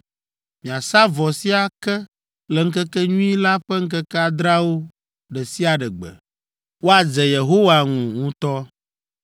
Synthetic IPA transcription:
mĩ˨a˨sa˦vɔ˨si˦a˨kɛ˦ | lɛ˨ŋ̩˦kɛ˦kɛ˦ɲũ˦i˦la˦ɸɛ˦ŋ̩˦kɛ˦kɛ˦a˦d̪ɾa˦wo˦ | ɖɛ˨si˦a˨ɖɛ˨ɡ͡bɛ̰˨ | wo˦a˨d͡zɛ˨je˨ɦo˦wa˨ŋũ˨ŋũ˦t̪ɔ˦

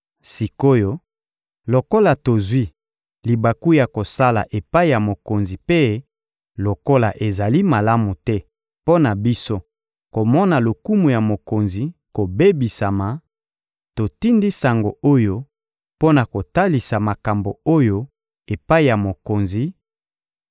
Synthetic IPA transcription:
si˨ko˦jo˦ | lo˨ko˦la˨to˨zwi˦ | li˨ba˨ku˦ja˨ko˨sa˦la̰˨ʔe˨pa˦i˨ja˨mo˨ko˨nzi˨pe˦ | lo˨ko˦la˨ʔe˨za˨li˦ma˨la˦mu˨tɛ˦ | po˦na˨bi˦so˦ | ko˨mɔ˦na˨lo˨ku˦mu˨ja˨mo˨ko˨nzi˨ko˨be˦bi˨sa˨ma˨ | to˨ti˦ndi˦sa˨ŋɡo˨o˦jo˦ | po˦na˨ko˨ta˦li˨sa˨ma˨ka˨mbo˨o˦jo˦ | e˨pa˦i˨ja˨mo˨ko˨nzi˨

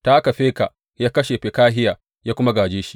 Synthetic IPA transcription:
ta˦ʔa˦ka˨ɸeː˦ka˨ | jaː˦kɐ˦ʃe˨ɸe˨kaː˦ɦɪ˦jaː˨ | jaː˦kʷʊ˦ma˦ɡaː˨d͡ʒeː˦ʃi̥˦

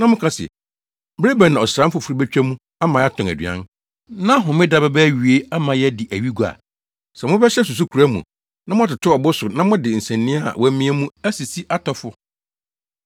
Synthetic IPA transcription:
nã˦mʊ̃˦kʰã˦sɛ̰˨ | bɾe˦bæ̃˨nã˨ɔ˨sɾã˦m̩˦fʊ˨fɾi˦bæ˦t͡ɕᶣæ˦mũ˦ | a˦mã˨˦a˦tʰɔ̃˨æ˨dɥ̰ã̰˦n | nã˦ɦʊ̃˨mɪ̃˦da˨bɛ˦bɛ˦ɥi˨e˦a˦mã˨jɛ˦dɪ˨ʔæ˨ɥi˦ɡu˨a̰˨ | sɛ˨mʊ̃˦bɛ˦ɕɛ˦s̬u˨s̬u˦kʰu˨ɾæ˦mũ˨ | nã˦mʊ̃˦a˨tɪ˨tʰʊ˦ɔ˨bʊ˦sʊ˨nã˦mʊ̃˦dɪ˨n̩˨sɛ̃˨nːɪ̃˦a˦˨wɔ˨˦mĩ˦ɛ˦mũ˦æ˦si˨si˦ʔa˦tʰɔ˨fʊ˦

